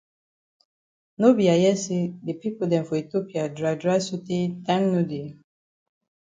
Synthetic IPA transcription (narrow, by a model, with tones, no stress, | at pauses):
no˦bi˨a˨jɛ˦se˦de˨pi˦po˨dɛ̃˨mfɔ˨i˨t̪o˦pi˨a˨dɹa˨jdɹa˦jsu˦te˦tã˦ŋno˦di˨